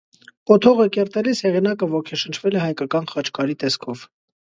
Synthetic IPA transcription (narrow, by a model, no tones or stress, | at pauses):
pɔt̪ʰɔʁəkɛɾt̪ɛlishɛʁinɑkəvɔkʰɛʃənt͡ʃʰvɛlɛhɑjkɑkɑnχɑt͡ʃkɑɾit̪ɛskʰɔv̥